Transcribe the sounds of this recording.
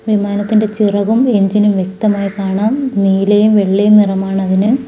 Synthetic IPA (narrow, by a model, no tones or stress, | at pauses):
ʋimaːnɐt̪ːinde̞t͡ɕirɐʋumeɲd͡ʑinumʋjek̚t̪ɐmaːjikaːɳaːmniːlejumʋe̞ɭːejumnirɐmaːɳɐðinɨ